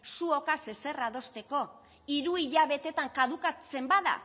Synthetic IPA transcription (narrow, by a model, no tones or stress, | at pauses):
suo̞kase̞se̞raðo̞st̪e̞ko̞ | iɾuiʎaβ̞e̞t̪e̞t̪aŋkaðukat͡se̞mbaða̰